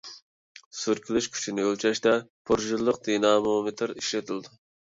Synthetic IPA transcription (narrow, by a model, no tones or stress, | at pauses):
syɾkʲʰilyʃkʲʰy̥t͡ʃʰinɪølt͡ʃʰɛʃt̪ɛpʰuɾʒɨlˠːəq̚d̪inɑːmomɪt̪ʰɨɾiʃlet̪ʰɪlˠd̪u